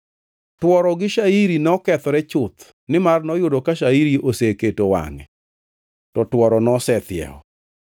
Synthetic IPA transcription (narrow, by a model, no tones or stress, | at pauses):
twɔɾɔɡɪʃaiɾinɔkɛt̪ɔɾɛt͡ʃʊt̪ | nɪmarnɔjʊdokaʃaiɾiʔoseketowa̰ŋɛ̰ | tɔtwɔɾɔnɔsɛt̪ɪɛ̰ɔ̰